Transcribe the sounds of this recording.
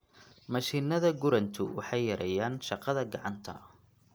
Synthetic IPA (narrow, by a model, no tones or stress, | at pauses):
mɐʃiːnɐðɐɡʊɾɐnt̪ʰʊwɑ̰ħɑjːɐɾɛjaːnʃɑqɑðɐɡɑʕɑnt̪ʰɐ̰